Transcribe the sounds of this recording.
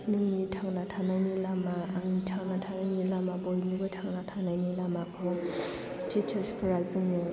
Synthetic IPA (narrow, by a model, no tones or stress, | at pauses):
lɯŋnitʰaŋnatʰanajnilamaːŋitʰaŋnatʰanajnilamabɔlnibɯtʰaŋnatʰanajnilamakʰɯw | tit͡ʃʰɯspʰɯɾazɯŋnɯ